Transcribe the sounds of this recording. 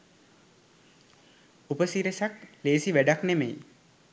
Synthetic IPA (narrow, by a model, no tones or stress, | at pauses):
upəsiɾesakleːsiʋæɖaknemej